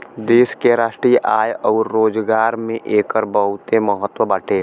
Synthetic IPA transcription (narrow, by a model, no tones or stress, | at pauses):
d̪eːskeɾaːʃʈɾiːjʔaːjɔːɾːoːd͡ʒɡaːɾmẽʔeːkəɾbəɦʊt̪eməɦət̪wəbəʈʰeː